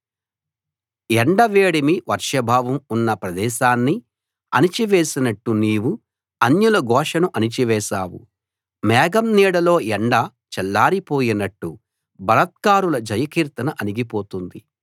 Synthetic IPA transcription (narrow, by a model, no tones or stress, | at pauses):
ɛɳɖɐʋeːɽimiʋɐɾʂɐbʱaːʋɐmunːɐpɾɐd̪ɛːʃaːnːi | ɐ̰nit͡ʃiʋeːsinɐʈːuniːʋu | ɐɲjulɐɡɔːʂɐnuʔɐnit͡ʃiʋɛːʃaːwṵ | mɛːɡɐmniːɽɐlo̞ːɛɳɖɐ | t͡ʃɛlːaːɾipo̞ːjinɐʈːu | bɐlɐt̪̚kaːɾulɐd͡ʒɐjɐkiːɾt̪ɐnɐʔɐniɡipoːt̪und̪i